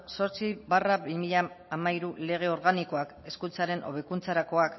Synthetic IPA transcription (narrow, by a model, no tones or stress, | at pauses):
so̞ɾt͡sibaraβimiʎa | amaiɾule̞ɣ̞e̞o̞ɾɣaniko̞ake̞skunt͡saɾe̞nʔo̞̰β̞e̞kunt͡saɾako̞ak